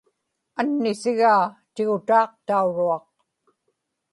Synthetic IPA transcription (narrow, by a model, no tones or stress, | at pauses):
anːɪsɪɣaːt̪ɪɣʊt̪ɑːq̚t̪auɻuɑq̚